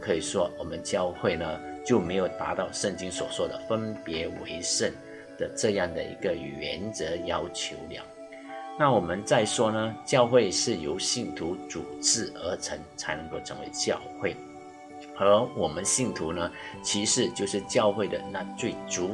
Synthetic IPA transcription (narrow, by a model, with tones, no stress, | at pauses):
kʰɤ˧˥i˨˩ʂwɔ˥wɔ˨˩mə˦nt͡ɕjɑ˥˧ʊxwe˥˩ɪnə˩t͡ɕjo˥˩ʊme˧˥ɪjo˨˩ʊt̪a̰˧˥t̪ɑ˥˧ʊʂə˥˩ŋt͡ɕi˥ŋswɔ̰˨˩t͡swɔ˥˩d̪ə˩fə˥npjɛ˧˥wḛ˧˥ɪʂə˥˩n | d̪̥ə˨˩ʈ͡ʂɤ˥˧jɑ˥˩ŋd̪ə̰˨ḭ˧˥ɡə˧˨ɥɛ̰˧˥nt͡sɤ˧˥jɑ˥ʊt͡ɕʰjo˧˥ʊljɑ̰˨˦ŋ | na˥˩wɔ˨˩mə˦nt͡sa˥˩ɪʂwɔ˥nə˧t͡ɕjɑ˥˧ʊxwe˥˧ɪʂɻ̩˥˩jo˧˥ʊɕi˥˩nt̪ʰu˧˥t͡su˨˩ʈ͡ʂɻ̩˥˩ə˧˥t͡sʰə˧˥ŋt͡sʰa˧˥ɪnə˧˦ŋko˥˩ʊʈ͡ʂʰɤ˧˥ŋwḛ˧˥ɪt͡ɕjɑ˥˧ʊxwe˥˩ɪ | ə˧˥wɔ˨˩mə˦nɕi˥˩nt̪ʰu˧˥nə˧t͡ɕʰi˧˥ʂɻ̩˧˥t͡ɕjo˥˧ʊʂɻ̩˥˧t͡ɕjɑ˥˧ʊxwe˥˩ɪd̪ə˩na˥˧t͡swe˥˩ɪt͡su˧˥